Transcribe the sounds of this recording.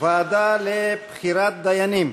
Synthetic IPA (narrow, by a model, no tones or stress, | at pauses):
vaːd̪alepχiɾat̪̚d̪ajanim